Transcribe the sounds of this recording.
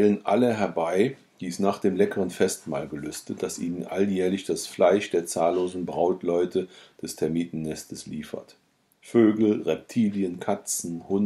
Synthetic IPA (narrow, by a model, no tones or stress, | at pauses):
lənʔa̰ləɦɛɐbaɪ | d̥iːsnaːχd̥eːmlɛkəʁənfɛstma̰ːlɡəlʏstət̚d̥asʔiːnənʔa̰ljɛːɐlɪçd̥asflaɪʃd̥eːɐt͡saːlːoːzn̩bʁaʊtlɔʏtʰəd̥ɛstʰɛɐmiːtn̩nːɛstəsliːfɐ̰t | føːɡl̩ʁɛp̚tʰiːljənkʰat͡sn̩hʊn